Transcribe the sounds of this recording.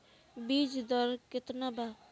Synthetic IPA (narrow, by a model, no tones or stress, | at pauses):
bid͡ʒd̪ɔɾkɪt̪naba